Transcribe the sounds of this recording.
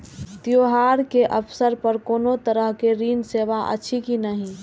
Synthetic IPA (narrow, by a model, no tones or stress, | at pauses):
t̪joɦaɾkeʔəpʰsəɾpəɾkoːnot̪əɾəɦkeɾiːnseːʋaʔə̰ːt͡ʃʰikinəɦĩ